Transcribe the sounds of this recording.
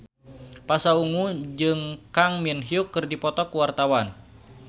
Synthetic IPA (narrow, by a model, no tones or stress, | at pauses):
pasauŋud͡ʒɨŋkaŋminɦiukːɨrdipɔt̪ɔkuwart̪awan